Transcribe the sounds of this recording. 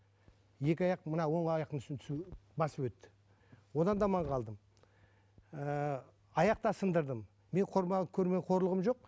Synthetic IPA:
je̞kʲɪɑjɑqmənɑwo̞ɴɑjɑqt̪ənʏsɪnt̪ʰʏ̥sbɑsəpwɵt̪ːɪ̥ | wo̞d̪ɑnd̪ɑmɑɴqʰɑlˠd̪əm | ə | ɑjɑq̚t̪ɑsənd̪əɾd̪əmː | e̞ɴqʰo̞ɾmɑʁkʲʰɵɾme̞ɴqʰo̞ɾlˠəʁəmʒo̞q̚

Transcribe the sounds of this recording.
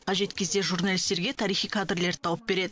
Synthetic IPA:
qʰɑʒe̞t̪kʲʰe̞zd̪e̞ʒurnalʲist̪e̞ɾɡʲe̞t̪ʰɑɾijχijkʰad̪rle̞ɾt̪ʰɑwəp̚be̞ɾe̞d̪ɪ

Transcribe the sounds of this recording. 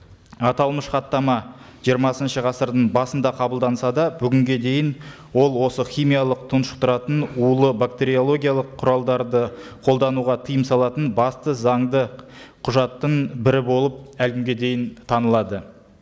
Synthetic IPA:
ɑt̪ɑlˠməʃqɑt̪ːɑmɑ | ʒ̥ijəɾmɑsənʃəʁɑsəɾd̪əɴbɑsənd̪ɑqʰɑbəlˠd̪ɑnsɑd̪ɑbʏɡʲɪŋɡʲe̞d̪e̞jɪn | wo̞lˠwo̞səχʲijmijɑlˠəq̚t̪ʰʊnʃə̥q̚t̪ʰʊɾɑt̪ənulˠəbakt̪e̞ɾio̞lˠo̞ɡʲijalˠəqʰːʊɾɑlˠd̪ɑɾd̪əqʰo̞lˠd̪ɑnuʁɑt̪ʰəjəmsɑlˠɑt̪ənbɑst̪əzɑɴd̪ə | qʰʊʒɑt̪ːəɴbɪɾɪbo̞lˠəp̚ælɡʲɪmɡʲed̪e̞jɪnt̪ʰɑnəlˠɑd̪ə

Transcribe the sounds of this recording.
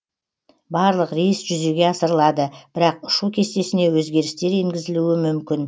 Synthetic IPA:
bɑɾlˠəqɾijsʒ̥ʏze̞ɡʲe̞ɑsəɾəlˠɑd̪əb̥ɪɾɑqʊ̥ʃukʲʰe̞st̪e̞sɪne̞wɵzɡʲe̞ɾɪst̪e̞ɾe̞ŋɡʲɪzɪluɪmʏmkʲɪn

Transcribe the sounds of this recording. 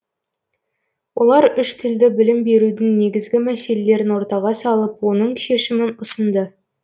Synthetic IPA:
wʔo̞lˠɑɾʏʃt̪ʰɪld̪ɪbɪlɪmbe̞ɾud̪ɪŋne̞ɡʲɪzɡʲɪmæse̞lele̞ɾɪnwo̞ɾt̪ɑʁɑsɑlˠəpwo̞nəɴʃe̞ʃɪmɪnʊsənd̪ə

